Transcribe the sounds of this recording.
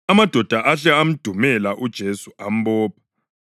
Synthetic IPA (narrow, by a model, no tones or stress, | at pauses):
amad̥ʱɔd̥ʱaʔaɬɛam̩d̥ʱumɛlaʔud̥ʒ̥ʱesuam̩bɔːpʰḁ